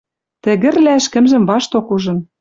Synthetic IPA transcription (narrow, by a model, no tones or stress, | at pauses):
t̪ɘ̆ɣɘ̆rlæɘ̆ʃkɘ̆mʒɘ̆mβɑʃt̪okuʒɤ̆n